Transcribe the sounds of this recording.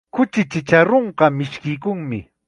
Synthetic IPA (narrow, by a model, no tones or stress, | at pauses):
kʊt͡ʃɪt͡ʃɪt͡ʃaɾoɴqɑmɪʃkɪjkʊŋmɪ̰